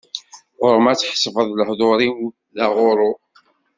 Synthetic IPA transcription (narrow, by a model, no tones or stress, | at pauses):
ʁʊɾmæt͡sːħsˤvəðˤləhðˤoɾi | ðæʁʊɾˤo